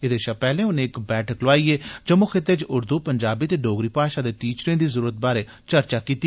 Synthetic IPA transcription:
ɪd̪eːʃapɛːlẽːʊnẽːɪkbɛːʈʰəklʊʋaːieːd͡ʒəmõːkʰet̪ːeːt͡ʃʊɾd̪uːpəɲd͡ʒaːbiːət̪eːɖoːɡɾiːpaːʃaːd̪eːʈiːt͡ʃɾẽːd̪iːzəɾuːɾət̪̚baːɾeː | t͡ʃəɾt͡ʃaːkiːt̪i

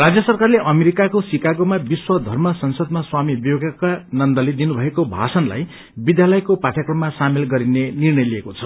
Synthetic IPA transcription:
rad͡zjʌsʌrkarleʔʌmeɾikakosikaɡomabiswʌd̪ʱʌrmʌsʌnsʌd̪̚maswamibjoɡakanʌnd̪ʌled̪inubʱʌekobʱa̰sʌnla̰j | bid̪jalʌjkopaʈʰjʌkrʌmːasamilɡʌɾinenirnʌjliekot͡sʰʌ̥

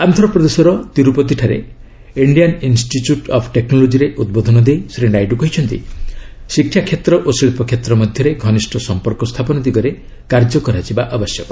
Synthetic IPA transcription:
ant̪ʰɔɾɔpɾɔd̪esɔɾɔt̪iɾupɔt̪iʈʰaɾḛ | iɳɖijaninsʈit͡ʃjuʈɔpʰʈeknɔlod͡ʒiɾeʔud̪̚bod̪ʱɔnɔd̪ejsɾeɳɖajʈukɔɦit͡ʃʰɔnt̪ḭsikʰːjakʰet̪ɾɔʔosiɭipɔkʰjet̪ɾɔmɔd̪ʱjɔɾeɡʱɔnisʈʰɔsɔmpɔɾkɔst̪ʰapɔnɔd̪iɡɔɾe | kaɾd͡ʒɔkɔɾat͡ʃʰibaʔɔbɔsjɔkɔ

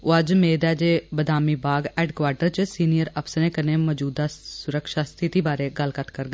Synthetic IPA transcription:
oːəd͡ʒmeːd̪ɛːd͡ʒeːbəd̪aːmiːbaːɡɛːɖkwaːɾʈəɾt͡ʃsiːnijəɾəpsəɾẽːkəneːmɔːd͡ʒuːd̪aːsʊɾəkʃaːst̪ʰɪt̪iːbaːɾeːɡəlkət̪ʰkəɾɡ̪ə

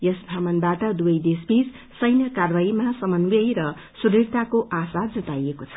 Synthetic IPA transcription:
jʌsbʱamʌnbaʈʌd̪uʌjd̪esbit͡s | sʌjnjʌkarbaimasʌmʌnwejɾʌ | suɾirt̪akoʔasad͡zʌt̪ajekot͡sʰʌ̥

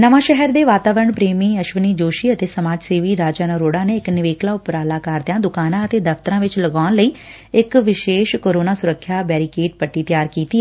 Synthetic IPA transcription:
nəʋãːʃɛɦɛɾd̪eːʋaːt̪aːʋəɾəɳpɾeːmiːəʃʋəniːd͡ʒoːʃiːət̪eːsəmaːd͡ʒseːʋiːɾaːd͡ʒaːnaɾoːɽaːneːɪknɪʋeːklaːʊpəɾaːlaːkaɾd̪ejãːd̪ʊkaːnãːət̪eːd̪əft̪əɾãːʋɪt͡ʃləɡaːnləiː | ɪkʋɪʃeːʃkoːɾoːnaːsʊɾəkʰːjaːbɛːɾiːkeːʈ̚pəʈːiːt̪jaːɾkiːt̪iːɛ

